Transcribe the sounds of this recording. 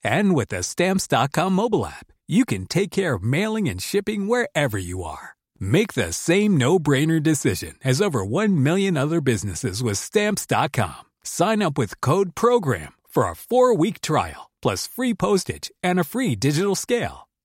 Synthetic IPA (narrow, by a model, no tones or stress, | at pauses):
ɨ̃nwɪðɨstæ̃mpsd̥ɑt̚kʰɑ̃mːoʊbl̩ˠæ̰p̚jɨkɨ̃ntʰeɪkʰɛɹʌvmeɪlˠɪ̃ŋɨ̰̃nʃɪpɪ̃ŋwə˞ɛvə˞jɨə̰˞ | meɪk̚ðɨ̰sẽɪ̃mnoʊbɹẽɪ̃nə˞dɨsɪʒɨ̰̃nɨzoʊvə˞wʌ̃nmɪlˠjɨ̃nʌðə˞bɪznɨsɨzwɨð̥stæ̃mpsd̥ɑ̰t̚kʰɑ̰̃m | sãɪ̃nʌpwɨð̥kʰoʊd̚pʰɹ̥oʊɡɹæ̰̃mfə˞ə̰fɔɹwik̚tʰɹ̥a̰ɪl̩ˠpʰl̥ʌsfɹipʰoʊstɪ̰̥d͡ʒɨ̃nɨfɹidɪd͡ʒɨɾl̩ˠskeɪlˠ